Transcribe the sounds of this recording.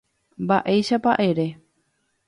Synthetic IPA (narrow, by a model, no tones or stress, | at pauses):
mbaʔe̞jʃapa̰ʔeɾe̞